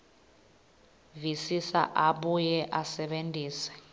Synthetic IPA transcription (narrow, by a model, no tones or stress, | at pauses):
visisa̰ʔaɓujɛʔasɛɓendʱʼiːsɛ̥